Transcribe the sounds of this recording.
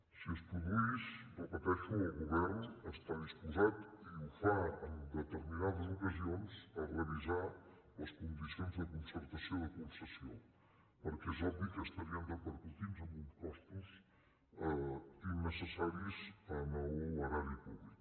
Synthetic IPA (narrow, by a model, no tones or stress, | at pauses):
siəspɾuðuizbəpət̪ɛʃuːlˠɣuβɛɾnəst̪aðispuzat̪iufaənd̪ət̪əɾminaðəzukəzionzəreəliza | ləskund̪isionzðəkunsəɾt̪əsioðəkulˠsəsio | pəɾkɛzɔd̪ikəst̪əɾiənd̪əpəɾkut̪inzəmunskɔst̪uz | əinəsəsaɾizənəuoɾaɾipuβlik